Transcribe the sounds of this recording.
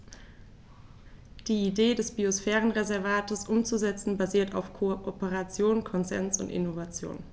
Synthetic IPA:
d̥iːideːdɛsb̥iosfɛːʁənʁezɛɐvaːtəsʔʊmt͡suzɛt͡sn̩baziːɐtʰa̰ʊfkʰoʔopəʁat͡sjoːnkʰɔnzɛ̰nsʊ̰ntɪ̰novat͡sjo̰ːn

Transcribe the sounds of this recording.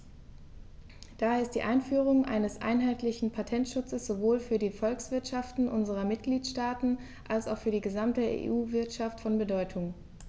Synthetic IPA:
d̥aːhaɐɪst̚d̥ḭːʔaɪnfyːʁ̞ʊŋʔa̰ɪnəsʔa̰ɪnɦaɪtlɪçn̩pʰatʰɛntʃʊt͡səsz̥ovoːlfyːɐdiːfɔlksv̥ɪɐtʃaftn̩ʔʊnzəʁ̞ɐmɪtɡ̥liːtʃtaːtn̩ | ʔalsa̰ʊxfyːɐdiːɡəzamtəḛʔuːvɪɐtʃaftfɔnbədɔʏtʰʊŋ

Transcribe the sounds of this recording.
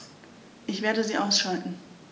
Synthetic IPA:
ʔɪçv̥eːɐɾəziːʔaʊsʃaltn̩

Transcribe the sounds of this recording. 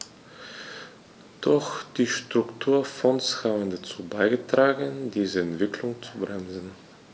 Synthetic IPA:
d̥ɔxd̥iːʃtʁ̥ʊktʰuːɐfɔnshaːbən̩dat͡suːbaɪɡətʁ̥aːɡəndiːzəɛntv̥ɪkʰlʊŋt͡subʁɛmzn̩

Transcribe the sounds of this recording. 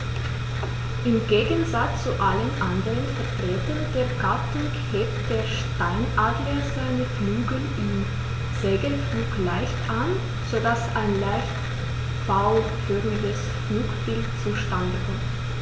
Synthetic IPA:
ʔɪmɡeːɡənzat͡st͡suʔalənʔandəʁənfɛɐtʁ̥ɛːtɐnd̥eːɐɡatʰʊŋ | heːp̚td̥eːɐʃtaɪnʔaːdləz̥aɪnəflyːɡl̩ʔɪm | z̥eːɡənfluːklaɪçtʔan | z̥odasaɪnlaɪçt | faʊ | fyʁmɪdəs | fluːkb̥ɪltt͡suʃtandəkɔ

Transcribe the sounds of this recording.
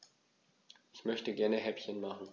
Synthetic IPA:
ʔɪçmœçtəɡɛɐnəɦɛpçənmaχn̩

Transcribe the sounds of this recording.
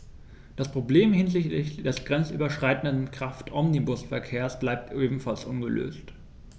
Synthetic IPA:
d̥aspʁ̥obleːmhɪnzɪçtlɪçd̥ɛsɡ̥ʁɛnt͡sʔy̰ːbɐʃʁ̥aɪtn̩dənkʁ̥aftʰʔɔmnibʊsfɛɐkʰeːɐsb̥laɪp̚tʔeːbm̩falsʔʊnɡəlø̰ːst

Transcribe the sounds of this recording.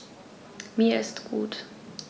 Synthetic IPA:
miɛst̪kuːt̪

